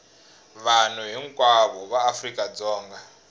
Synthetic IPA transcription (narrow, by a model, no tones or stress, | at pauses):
βan̤uɦiŋkʼwaβɔβaːfrikʼad͡zɔːŋɡa